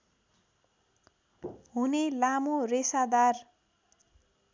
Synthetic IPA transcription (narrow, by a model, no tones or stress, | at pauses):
ɦunelamoresad̪ar